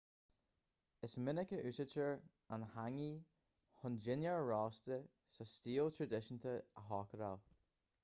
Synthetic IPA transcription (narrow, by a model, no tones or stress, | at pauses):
ɪsmɪnəkəʔʉːsət͡ʃəɹ | anhaŋi | hʊnd͡ʒɪnjəɹɹɑːst̪ə | səstiːlˠt̪ʰɹəd̪ɪʃənt̪ʰəəɦɑːkəɾa̰l